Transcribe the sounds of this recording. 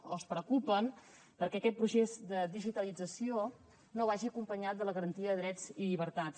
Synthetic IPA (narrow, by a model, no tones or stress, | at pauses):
oəspɾəkupən | pəɾkɛəkɛt̪̚pɾusezd̪əd̪iʒit̪əlid͡zəsio | noβaʒiəkumpəɲat̪̚d̪ələɣəɾənt̪iəðəðɾɛd͡ziʎiβəɾt̪as